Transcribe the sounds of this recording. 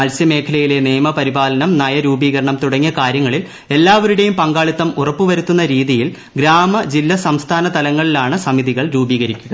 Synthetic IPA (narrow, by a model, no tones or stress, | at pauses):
ɐlsjɐme̞ːkʰɐlɐjile̞neːmɐpɐɾibaːlɐnɐmnɐjɐɾuːbiːɣɐɾɐɳɐmt̪uɽɐŋːɐkaːɾjɐŋːɐɭil | e̞lːaːʋɐɾuɽe̞jumpɐŋɡaːɭut̪ːɐmurɐpːuʋɐɾut̪ːunːɐɾiːðijil | ɡɾaːmɐd͡ʑilːɐsɐmst̪ʰaːnɐt̪ɐlɐŋːɐɭilaːɳɨsɐmiðiɣɐɭɾuːbiːɣɐɾikʲːuɣɐ